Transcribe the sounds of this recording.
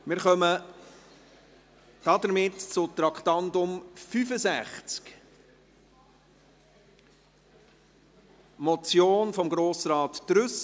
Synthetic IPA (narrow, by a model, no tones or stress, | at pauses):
mɪɾχœmə | d̥ɑd̪əɾmɪtt͡sʊt̪ɾɑkχt̪ɑndʊmfyfəzæχt͡sk | mɔt͡sjoːnfɔmɡɾoːsɾɑːtːɾʏs